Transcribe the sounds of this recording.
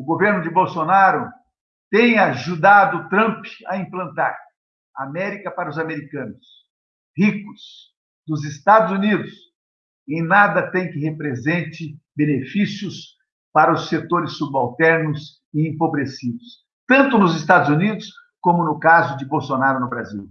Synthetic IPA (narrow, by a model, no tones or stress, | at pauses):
ʊɡoveɾnʊd͡ʒɪbowsonaɾʊ | t̪ẽj̃aʒud̪ad̪ʊt̪ɾɐ̃mpɐ̰ĩplɐ̃nt̪a̰ɾ | amɛɾikɐpaɾɐʊzameɾikɐ̃nʊs | hikʊs | d̪ʊzɪst̪ad̪ʊzunid̪ʊs | ẽj̃nad̪ɐt̪ẽj̃kɪhepɾezẽnt͡ʃɪbenefisjʊs | paɾɐʊset̪oɾɪsːubawt̪ɛɾnʊs | ɪẽmpobɾesid̪ʊs | t̪ɐ̃nt̪ʊnʊzɪst̪ad̪ʊzunid̪ʊs | kõmʊnʊkazʊd͡ʒɪbowsonaɾʊnʊbɾa̰zḭw